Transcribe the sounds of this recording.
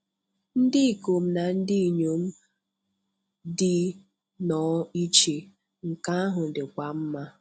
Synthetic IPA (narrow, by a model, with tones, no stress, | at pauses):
n̩˦dɪ˦i˨ko˨m̩˦na˨n̩˦dɪ˦˨ɲo˨˦m̩˦ | dɪ˦ | nɔ˨˦i˦t͡ʃe˨ | ŋ̩˨ka˦a˦ɦʊ˨dɪ˨kʷa˨m̩˦ma˦